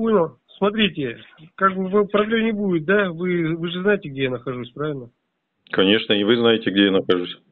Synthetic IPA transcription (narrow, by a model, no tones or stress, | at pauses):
uno | smɐt̪̬ɾʲitʲɪkaɡbɨvapɾɐblʲemnʲɪbudʲɪt̪̚d̪avɨvɨʐɨznajɪtʲɪɡ̚dʲe̞janəxɐʐusʲpɾavʲɪlʲnə | kɐnʲe̞ʂnəɪvɨznajɪtʲɪɡ̚dʲejanəxɐʐusʲ